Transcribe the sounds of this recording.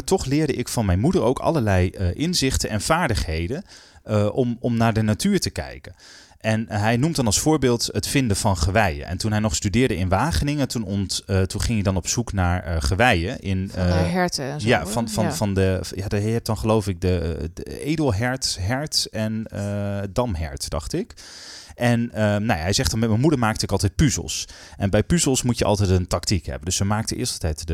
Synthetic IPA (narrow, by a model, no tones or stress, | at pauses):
tɔχlɪːɹdəʔɪkfɑnmɛjnmudəɹo̰wkɑ̰ləɹlɛjəʔɪnzɪχtənʔɛnv̥aːɹdəχhejdən | ʔɔmɔmnaːɹdənatyːɹtəkɛ̰jkən | ʔɛnɦɛjnumdɑnɑlˠsfʊːɹbɪːlˠtɦətfɪndəv̥ɑnχəʋɛjə̰nʔɛ̰ntunɦɛjnɔχstydɪːɹdəɪnʋaːχənɪŋətunɔntunχɪŋjədɑnɔpsuknaːɹχəʋɛjəʔɪnɦɛɹtəjafnfɑfɑndəjaːdɛp̚dɑnχəlowfɪk̚də | ejdəlˠɦɛɹtɦɛɹtɛnədɑmɦɛ̰ɹtd̥ɑ̰χtɪk | ʔɛnənawjaɦɛjzɛχtdɑnmɛt̚mənmudəɹmaːk̚təɪkɑlˠtɛjt̚pyzə̰lˠs | ʔɛnbɛjpyzəlˠsmutjəɑ̰lˠtɛjtəntɑktikɦɛ̰bəndɵsəmaːk̚təʔɪ̰ːɹstlˠtɛjtdə